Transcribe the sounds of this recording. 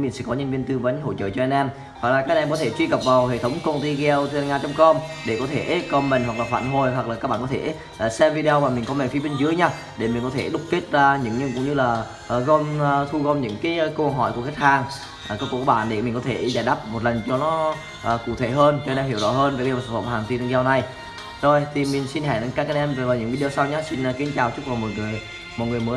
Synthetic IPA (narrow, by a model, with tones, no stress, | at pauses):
mi˨˩sɛ̰˧˥kɔ˨˦ɲə˧nvi˧ənt̪ɨ˧və˨˦nɦo̰˧˨t͡ɕə̰ː˧˨t͡ɕɔ˧ʔɛ˧nʔɛ˧m | hwa˨˩k̚laː˨˩kaː˦˥k̚ʔɛ˧mkɔ˨˦t̪ʰe˧˩t͡ɕwi˧ɣə˨˩p̚vaː˨˩wɦḛ˧˨t̪ʰə˨˦wŋ͡mkə˧nt̪i˧ɣɛ˧wt̪ŋaː˧t͡ɕɔ˧wŋ͡mkɔ˧mɗe˧˩kɔ˨˦t̪ʰe˧˩˨kɔ˧mmï˨˩ŋ̟hwa˨˩k̚laː˨˩fa̰ː˧˨nɦo˨˩jɦwa˨˩k̚laː˨˩a˦˥k̚ɓaː˧˨kɔ˨˦e˧˩˨ | sɛ˧mvi˧ɗe˧ə˧maː˨˩mï˨˩ŋ̟kɔ˨˦mɛ˨˩fi˨˦ɓe˧nzɨ˨˦əjɲaː˧ | ɗe˧˩mi˨˩ŋ̟kɔ˨˦t̪ʰe˧˩ɗʊ˦˥k͡p̚k̪i˦˥ət̚zaː˧ɲɨ̰˧˥ŋɲɨ˧ŋkʊ̰˧˥ŋ͡mɲɨ˧laː˨˩ | ʔɣɔ˧m˧t̪ʰu˧ɣɔ˧wmɲɨ̰˧˥ŋkaː˨˦jkə˧ɦɔ̰˧˩jku˧˩əka˦˥k̚hʰaː˧˩ŋ | ʔkːwkːkːɔ˧˦˥ɓa̰ː˧˨nɗe˧˩mi̟˨˩kɔ˨˦t̪ʰe˧˩za̰ː˧˩jɗaː˦˥p̚mo˨˩t̚lə˨˩nt͡ɕɔ˧nɔ˨˦ | ʔəː˨˩kṵ˧˨t̪ʰe˧˩ɦəː˧nt͡ɕːnɛ˧mhi˧˩əwzɔ̰˧˦həː˧nve˨˩ke˧waː˨˩sa˨˧˩fə̰˧˩˨haː˨˩ŋt̪i˧nʰ˧ŋzɛ˧wna˨˩j | zo˨˩jt̪ʰi˨˩mï˨˩ŋ̟si˧nɦɛ˧˨˩nə˧nkaː˦˥kaː˧nʔɛ˧mvvaː˨˩wɲɨ̰˧˥ŋvi˧ɗə˧wsa˧wɲaː˨˦si˧n˨ki˨˦ənt͡ɕaː˨˩wt͡ɕʊ˦˥k̚vaː˨˩wmo˨˩t̚ŋɨ˨˩əj | mo˨˩t̚ŋɨ˨˩əjmə˨˦